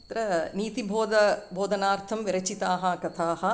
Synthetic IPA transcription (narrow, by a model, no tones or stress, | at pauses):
ɐt̪ɾɐniːt̪ibʱoːd̪ɐbʱoːd̪ʱɐnaːɾt̪ʰɐmʋiɾɐt͡ʃit̪aːɦɐkɐt̪ʰaːɦɐ̆